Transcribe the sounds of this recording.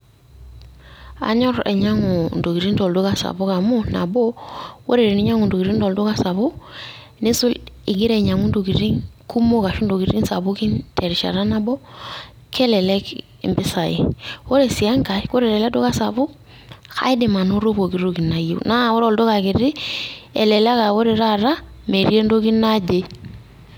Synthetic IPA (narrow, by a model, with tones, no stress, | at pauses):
a̰˨ɲɔ˦ɾḛ˨ɲa˦ŋu˨n̩˨do˨ki˨ɾi˦ndo˨ldu˦ka˨sa̰˨bu˦ka˨mo˦na̰˨bo˦wo˦ɾe˨ɾi˨ni˦ɲa˦ŋu˨ndo˨ki˨ɾi˦n˦do˨ldu˦ka˨sa˨bʊ˦ | ne˦su˦lɪ˨ɡi˦ɾe˨ɲa˨ŋu˦ndo˨ki˨ɾi˦ŋku˦mo˦ka˨ʃu˦ndo˨ki˨ɾi˦nsa˨bu˦ki˦nte˨ɾi˨ʃa̰˨ɾa˦na˦bo˦ | kɛ˦lɛ˨lɛ˦k | ɪ̰˨mbɪ˦sa˨ɪ̰˨wo˦ɾe˨si˨a˦ŋka˨ko˦ɾe˨lɛ˨lɛ˦do˦ka˦sa˨bu˦ | xa̰˦ɪ˦dɪ˨ma˨nu˦ɾo˦bo˨ki˨˦ɾo˦ki˨na˨jḛ˨na˦wo˦ɾɔ˨ldo˦ka˨kɪ˨ɾɪ˦ɛ̰˨lɛ˨la˦ka˨wo˦ɾe˨ɾa˦ɾa˦ | me˨ɾje˦ndo˦ki˦na˦d͡ʒe˦